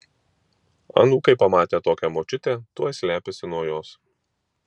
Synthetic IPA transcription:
ɐ̰nuːkɐɪpɐmɑːt̪ʲeːt̪oːkʲɛmoːt͡ʃʲʊt̪ʲet̪uɔsʲlʲæːpʲesʲɪnuɔjoːs

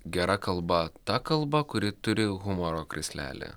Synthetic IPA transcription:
ɡʲɛɾʔɐkɐlˠbɐt̪ɐkɐlˠbɐkʊɾʲɪt̪ʊɾʲɪɣʊmɔɾoːkɾʲɪsʲlʲæ̰ːlʲḛ

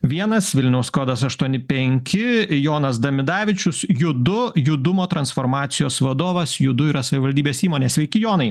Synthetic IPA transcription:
ʋʲiɛnɐsʋʲɪlʲnʲɛʊskoːd̪ɐsɐʃt̪uɔnʲɪpʲɛŋʲkʲɪjoːnɐs̬d̪ɐmʲɪd̪ɑːʋʲɪt͡ʃʲʊsjʊd̪ʊjʊd̪ʊmoːt̪ɾɐnsfoːɾmɑːt̪sʲɪjoːsʋɐd̪oːʋɐsjʊd̪ʊiɾɐsɐʋʲɪʋɐlʲd̪ʲiːbʲeːsiːmoːnʲeːsʲʋʲɛɪkʲɪjoːnɐɪ

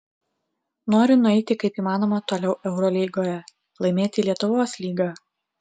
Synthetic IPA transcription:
noːɾʲʊnʊɛɪt̪ʲɪkɐɪpiːmɑːnoːmɐt̪oːlʲɛʊʔɛʊɾɔlʲɛɪɡoːjɛ | lˠɐɪmʲeːt̪ʲɪlʲiɛt̪ʊʋoːslʲiːɡɑː

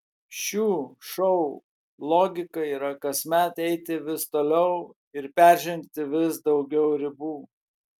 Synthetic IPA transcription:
ʃʲuːʃɔʊ | lˠoːɡʲɪkɐiːɾɐkɐsʲmʲæt̪ɛɪt̪ʲɪʋʲɪst̪oːlʲɛʊ | ɪɾpʲæˑɾʲʒʲɪŋʲkt̪ʲɪʋʲɪsd̪ɒʊɡʲɛʊɾʲɪbuː

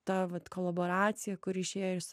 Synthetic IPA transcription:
t̪ɑʋɐt̪koːlˠɐboːɾɑːt̪sʲɪjɛkʊɾɪʃʲeːjɪs

